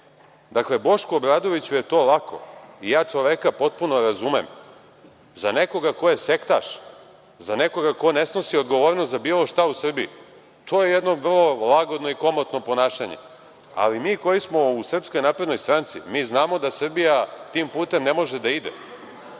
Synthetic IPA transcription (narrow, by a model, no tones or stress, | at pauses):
d̪akle̞bo̞ʃkuobɾaːd̪o̞ʋit͡ɕuje̞t̪o̞ːlakʰo̞̰ijaːt͡ʂoʋekapo̞t̪̚punoɾazumḛm | zane̞ko̞ɡako̞jese̞kt̪a̰ʃ | zaneko̞ɡako̞nesno̞siod̪ɡo̞ʋoɾnost̪zabiːlo̞ʃt̪ausr̩biḭ | t̪ʰoje̞jed̪no̞ʋr̩lˠo̞lˠaɡo̞d̪no̞iko̞mot̪no̞po̞naːʃaɲḛ | a̰limiːko̞jismo̞usr̩psko̞jnaːpɾe̞d̪no̞jst̪ɾaːnt̪simiːznaːmo̞d̪asr̩bijat̪iːmpuːt̪e̞mne̞mo̞ʒed̪aid̪ḛ